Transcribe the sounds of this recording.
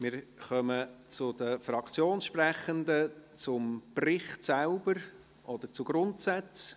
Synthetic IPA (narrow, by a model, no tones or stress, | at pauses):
mɪːɾχœmət͡sʊdəfɾɑkʰt͡sjoːnʃprɛχənd̪ət͡sʊmprɪχt̪saʊbəɾ | ʔɔd̥̪əɾt͡sʊɡ̥ɾʊntsɛt͡s